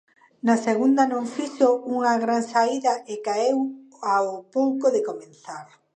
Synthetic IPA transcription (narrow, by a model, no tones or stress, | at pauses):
naseɣund̪anõɱfisouŋaɣɾansaiðaɪkaew | aopowkoðɪkomẽnθaɾ